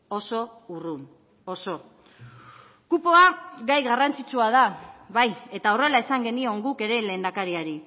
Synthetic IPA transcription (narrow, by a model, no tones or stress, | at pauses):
o̞so̞urun | oso̞ | kupoaɡajɣarant͡sit͡suað̞aβaje̞t̪aore̞laesaŋɡe̞nio̞ŋɡuke̞ɾe̞le̞ːnd̪akaɾiaɾi